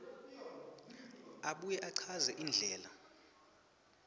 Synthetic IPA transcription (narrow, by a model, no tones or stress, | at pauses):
aɓujɛʔaǀʰazɛʔiːnd͡ɮʱɛːla